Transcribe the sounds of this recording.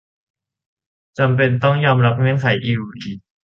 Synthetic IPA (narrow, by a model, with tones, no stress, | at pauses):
t͡ɕa˧mpe˧nt̪ɔ˥˩ŋjɔː˧mɾa˦˥p̚ŋɯ˥˩ənkʰa˩˦jʔiː˧u˨˧˩iː˨˩